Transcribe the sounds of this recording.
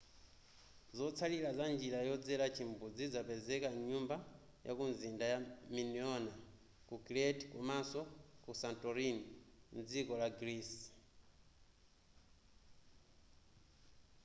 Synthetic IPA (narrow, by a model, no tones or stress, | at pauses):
zɔt͡sʰalilazand͡ʒiɾajɔd͡zɛɾat͡ʃʰimbud͡zid͡zapɛzɛkaɲumba | ja̰kunzindajaminiɔna | kukɾɛtkumasɔkusantʼɔɾinim̩d͡zikɔlaɡɾiːs